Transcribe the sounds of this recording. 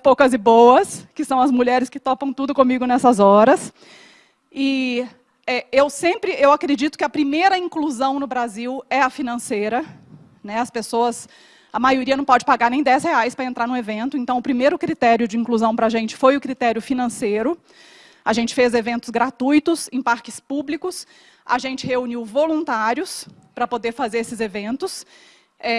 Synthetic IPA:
powkɐzɪbowɐskɪsɐ̃w̃ɐzmuʎɛɾɪskɪt̪ɔpɐ̃w̃t̪ud̪ʊkõmiɡʊnɛsɐzɔɾɐs | ɪ | ɛewsẽmpɾɪʔewakɾed͡ʒit̪ʊ̥kɪɐpɾimejɾɐĩkluzɐ̃w̃nʊbɾaziwɛɐfinɐ̃sejɾɐ | nɛɐspesoɐs | ɐmajoɾiɐnɐ̃w̃pɔd͡ʒɪpaɡaɾnẽj̃d̪ɛsheajspɾɐẽnt̪ɾaɾnʊ̃evẽnt̪ʊẽnt̪ɐ̃w̃ʊpɾimejɾʊkɾit̪ɛɾjʊd͡ʒɪĩŋkluzɐ̃w̃pɾɐaʒẽnt͡ʃɪ̥fojʊkɾit̪ɛɾjʊfinɐ̃sejɾʊ | aʒẽnt͡ʃɪ̥fezevẽnt̪ʊ̥zɡɾat̪ujt̪ʊsẽpaɾkɪspublikʊs | a̰ʒẽnt͡ʃɪheuniwvolũnt̪aɾjʊs | pɾɐpod̪eɾfazeɾesɪzevẽnt̪ʊs | ɛ

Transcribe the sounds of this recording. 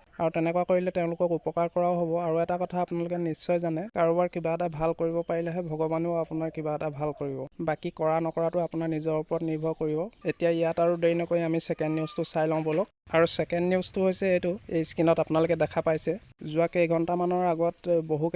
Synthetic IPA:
aɹutɛnɛkwakoɹilɛtɛʊ̃lʊkɔkupɔkaɹkɔɹaʊɦobɔaɹuɛtakɔtʰaːpunalʊkɛnisːɔjzanɛkaɹɔbaɹkibaɛtabʱalkoɹibɔpaɹilɛɦɛbʱɔɡɔbanuapunaɹkibaɛtabʱalkoɹibɔbakikɔɹanɔkɔɹatʊapunaɹnizɔɹupɔɹɔtniɹbʱɔkoɹibɔetijaijataɹudeɹinɔkojamisɛkɛndniwstʊsajlãw̃bɔlɔkaɹusɛkɛndniʊstʊɦojsɛejtʊejskinɔtapʊnalʊkɛdɛkʰapajsɛzuakejɡʱɔntamanɔɹaɡɔtboɦu

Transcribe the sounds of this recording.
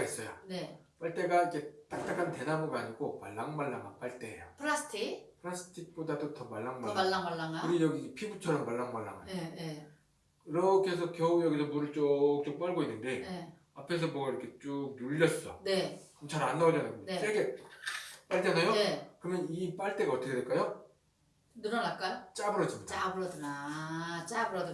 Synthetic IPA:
is͈ʌjonep͈aɭt͈e̞ɡaike̞t͈ak̚t͈akʰante̞daboɡaɲiɡomaɭːaŋmaɭːaŋa̰p͈aɭt͈e̞ɦḛjapʰɯɾasʰtʰipʰɯɾasʰɯ̥tʰik̚p͈odadotʌmaɭːaŋmaaaŋmaɭːaŋakɯɾjʌɡiepʰibut͡ɕʰʌɾʌmːaɭːaŋmaɭːa̰ŋɦa̰j | kiɾʌkʰe̞sʰʌkjʌujʌɡisʰʌmuɾɯɭt͡ɕ͈ok̚t͡ɕ͈ok̚p͈aɭɡoinːɯnde̞ne | apʰe̞s̬ʰʌmoʌiɾʌkʰe̞t͡ɕ͈ok̚nuʎːʌs͈ʌne̞ɯʌt͡ɕʰaɾanːʌʌd͡ʑʌnɯnɡʌsʰeɡe̞ | p͈aɭd͡ʑʌnajoekɯɾʌmjʌnip͈aɭt͈e̞ɡaʌt͈ʰʌkʰedweɭk͈ajo | nuɾʌnak͈ajot͡ɕ͈abɯɾʌd͡ʑimʌabɯɾʌdɯna | t͡ɕabɯɾʌdɯ

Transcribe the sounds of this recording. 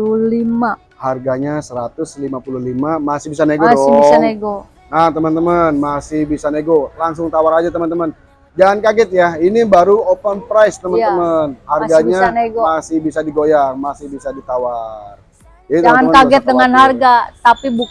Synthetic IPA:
ulima | harɡaɲasəɾat̪ʊslimapululimamasɪhbisaneɡoɔbsaeɡo | at̪əmənt̪əmənmasɪhbisaneɡolaŋsʊŋt̪awaɾad͡ʒat̪əmənt̪əmən | d͡ʒaŋankaɡɪt̪̚jainibaɾuopənpɾajst̪əmənəmənharɡaɲanɡmasɪhbisadiɡojaŋmasɪhbisadit̪awar | d͡ʒadit̪əamŋamaɡɛt̪̚dəŋanharɡat̪apibu

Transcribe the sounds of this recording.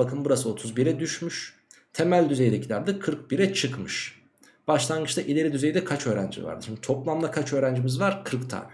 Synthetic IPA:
akʰɯmbuɾasɯo̞t̪ʰuzbiɾɛd̪yʃmyʃ | t̪ʰe̞mælʲd̪yzejd̪ecʰilʲæɾd̪ɯkʰɯɾk̚biɾɛt͡ʃʰɯkmɯʃ | b̥aʃlˠanɡɯt͡ʃt̪aʔilʲe̞ɾid̪yze̞jd̪ɛkʰat͡ʃʰø̞ːɾænd͡ʒḭva̰ɾd̪ɯʃimd̪it̪ʰo̞plˠamd̪ˠakʰat͡ʃø̞ːɾænd͡ʒimizvaɾ̥kʰɯɾkt̪ʰa̰ːn

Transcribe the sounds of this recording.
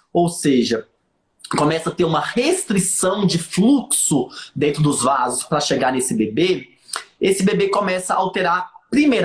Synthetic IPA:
owseʒɐ | kõmɛsɐt̪eɾũmɐhest̪ɾisɐ̃w̃d͡ʒɪfluksʊd̪ẽnt̪ɾʊd̪ʊzvazʊspɾɐʃeɡaɾnesɪbebe | esɪbebekomɛsɐawt̪eɾaɾpɾimeɾ

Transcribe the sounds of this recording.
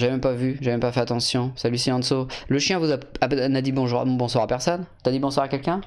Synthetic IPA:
ʒaemɛmpavyʒaemɛmpafɛʁat̪ɑ̃sjɔ̃salisiɑ̃nsoləʃjɛ̃vuzaanad̪ibɔ̃ʒũbɔ̃swaʁapɛʁsɔnt̪ad̪ibɔ̃swaʁakɛlkʲɛ̃

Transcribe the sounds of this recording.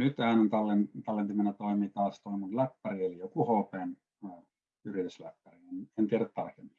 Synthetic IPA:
nyt̪hæːnont̪ɑlːent̪ɑlːent̪imenæt̪oˑimiːt̪ɑːst̪oimunlæpːærielijokuhoːpenː | yrit̪yslæpːærienent̪iæɾæt̪t̪ɑrkemːi̥

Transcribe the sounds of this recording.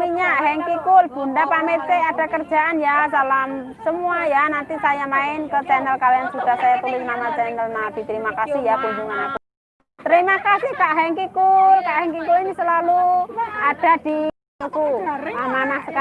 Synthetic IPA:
iɲaʔɦɛŋkikʊlb̥ṳnd̪apamet̪̚kead̥a̤kərdd͡ʒ̥a̤ʔanjas̬alamsəmuajanant̪isajamaɪnkət͡ʃɛnəlkaljaŋsud̥a̤hsajat̪ulɪŋmamat͡ʃɛnəlnad̥i̤t̪əɾimakasɪhjakuɲd͡ʒuŋanaku | t̪əɾimakasihkaʔɦɛŋkikʊlkaʔɦɛŋkikulinisəlaluad̥a̤d̥i | kuamanahsəka

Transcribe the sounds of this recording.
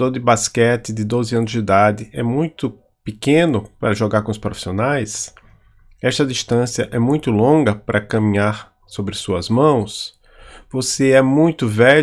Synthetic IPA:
d̪oɾd̪ɪbaskɛt̪ɪd̪ɪd̪ozɪɐ̃nʊzd͡ʒ̪id̪ad̪ɪʔɛmũj̃t̪ʊ | pɪkẽnʊpaɾɐʒoɡaɾkõʊspɾofi̥sionajs | ɛʃt̪ɐd̪iʃt̪ɐ̃sjɐʔɛmũj̃t̪ʊlõɡɐpɾʔɐkɐmĩɲaɾ | sobɾɪsuɐzmɐ̃w̃s | voseɛmũj̃t̪ʊvɛ

